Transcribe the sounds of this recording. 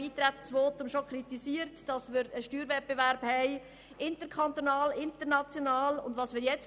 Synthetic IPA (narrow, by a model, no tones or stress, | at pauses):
iːt̪ɾæt̪t͡sʋoːt̪ʊmʃokʰɾitisiəɾtd̥ɑsmɪɾəʃtyːɾʋɛt̚b̥eʋæɾb̥hɛɪ | ʔɪntəɾkʰχɑnt̪onɑːlɪnt̪ənɑt͡sjonɑːlʊ̰ndʋɑːsmɪːɾjɛt͡s